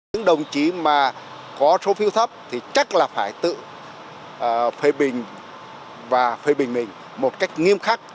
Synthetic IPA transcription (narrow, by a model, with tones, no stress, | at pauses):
ɲɨ̰˧˥ŋɗə˨˩wŋ͡mt͡ɕi˨˦maː˨˩ | kɔ˨˦so˨˦fi˨˦wt̪ʰə˦˥p̚t̪ʰi˨˩t͡ɕa˦˥t̚laː˨˩faː˧˩jt̪ɨ̰˧˨ | fe˧ɓï˨˩ŋ̟ | vaː˨˩fe˧ɓï˨˩ŋ̟mï˨˩ŋ̟ | mo˨˩t̚ka˦˥jk̟̚ŋi˧əmxaː˦˥k̚